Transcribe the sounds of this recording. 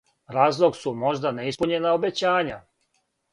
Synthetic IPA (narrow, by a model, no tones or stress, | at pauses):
ɾaːzlˠo̞ɡsumo̞ʒd̪ane̞ispuɲenaobe̞t͡ɕaːɲa